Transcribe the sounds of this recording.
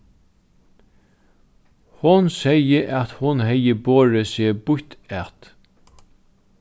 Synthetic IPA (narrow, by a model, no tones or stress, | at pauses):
hʊnsɛjəʔæt̪hʊnhɛjːəboːɹəsɪbʊçt̪æt̪